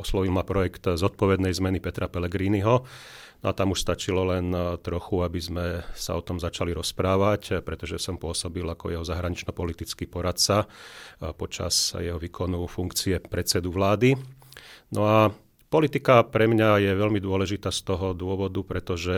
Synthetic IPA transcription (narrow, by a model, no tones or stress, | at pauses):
ɔslɔʋilˠmapɾɔjɛkt̪zɔt̪̚pɔʋɛd̪nɛjzmɛnipɛt̪ɾapɛlɛɡɾiːniɦɔ | nɔat̪amuʃst̪at͡ʃilɔlɛnt̪ɾɔxuabizmɛsa̰ɔt̪ɔmzat͡ʃaliɾɔspɾaːʋacpɾɛt̪ɔʒɛsɔmpʊɔsɔbilakɔ̰jɛɦɔzaɦɾaɲit͡ʃnɔpɔlit̪it͡skiːpɔɾat̪t͡sa | pɔt͡ʃa̰sjɛɦɔʋiːkʰɔnufuŋkt͡siɛpɾɛt̪t͡sɛd̪uʋlaːd̪i | nɔa | pɔlit̪ikapɾɛmɲajɛʋɛʎmid̪ʊɔlɛʒit̪aːst̪ɔɦɔd̪ʊɔʋɔd̪upɾɛt̪ɔʒɛ